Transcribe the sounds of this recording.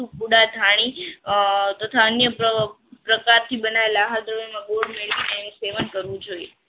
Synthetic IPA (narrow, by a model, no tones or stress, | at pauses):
ũpuɽad̪ʱaɽ̃i | t̪ət̪ʰaənjəə | pɾəkaɾt̪ʰibənaʋelaɦat̪ɾəomãɡoɾmeɭʋineenũseʋənkəɾʋũd͡ʒoie